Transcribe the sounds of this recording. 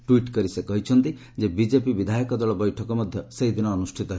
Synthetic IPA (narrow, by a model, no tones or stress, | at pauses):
ʈuiʈkɔɾisekɔɦit͡ʃʰɔnt̪i | d͡ʒebid͡ʒepibid̪ʱajɔkɔd̪ɔɭɔbɔjʈʰɔkɔmɔd̪ʱjɔseid̪ʱinɔːnusʈʰit̪ɔɦe